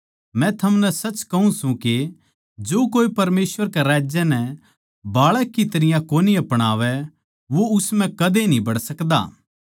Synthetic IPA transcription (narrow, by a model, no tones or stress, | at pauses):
mɛ̃t̪ʰɐmnɛsɐt͡ʃkɐɦũsũke | d͡ʒoːkoːipɐɾmeːsʋəɾkeɾaːd͡ʒjɛnɛ | baːɭɛkːit̪ɐɾɪjãkoːniɐpɽ̃aːʋɛ | ʋoʊsmɛ̃kɐd̪enĩbɐɽsɐkd̪a̰ː